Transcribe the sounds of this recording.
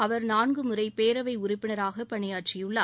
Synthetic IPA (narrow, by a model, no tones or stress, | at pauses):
ɐʋɐɾnaːnɡɯmɯrɐɪpeːɾɐʋɐɪʊɾʊpːɪɳɐɾaːɣɐpɐɳɪjaːʈrɪjɯɭːaː